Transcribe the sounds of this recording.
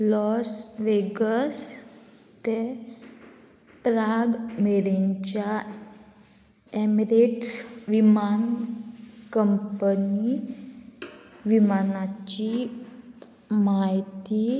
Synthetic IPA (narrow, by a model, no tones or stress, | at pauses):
lɔsʋeɡəs | t̪e | pɾaɡmeɾeɲt͡ɕja | emiɾeʈsʋiman | kəmpəni | ʋimanat͡ɕi | maɦit̪i